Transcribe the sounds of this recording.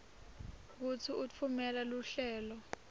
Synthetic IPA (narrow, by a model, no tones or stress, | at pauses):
k̬ut͡sʰiʔut͡fʰumɛlaluɬɛːlɔ